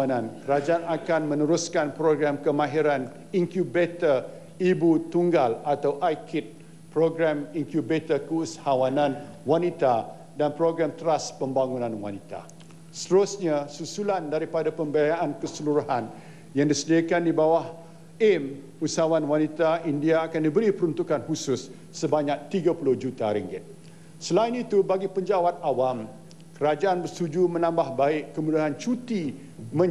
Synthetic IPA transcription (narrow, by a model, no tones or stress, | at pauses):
anãnkəɾad͡ʒaanakanmə̃nəɾuskanpɾoɡɾamkəmãɦiɾan | iŋkjubet̪ər | ibut̪uŋɡalat̪awʔajkɪt̪̚ | pɾoɡɾamiŋkjubet̪əkushawanãn | wanit̪a | danpɾoɡɾamt̪əɾaspəmbaŋunãnwa̰nit̪a̰ | st̪əɾusɲasusulandaɾipadapəmbəajaʔankəsəluɾuɦan | jaŋdisədiakandibawah | ɛm | usawanwanit̪aindiaːkandibəɾipəɾunt̪ukanhusʊsː | əbaɲãk̚t̪iɡapulʊhd͡ʒut̪aɾiŋɡɪt̪̚ | səlainit̪ubaɡipəɲd͡ʒawat̪̚awam | kəɾad͡ʒaanbərst̪ud͡ʒumə̃nãmbahbaɪʔkəmudaɦant͡ʃut̪i | mə̃